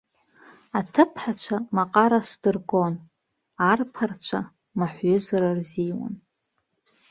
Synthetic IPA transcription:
atʰɨpʰħat͡ɕʷʰamaqʼaɾasdɨrɡon | arpʰart͡ɕʷʰa | maħʷɥʏzaɾarzijwa̰n

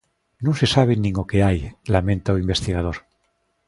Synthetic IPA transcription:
nũŋse̞saβ̞enĩŋokeajlamẽnt̪aoimbe̞st̪iɣ̞að̞oɾ

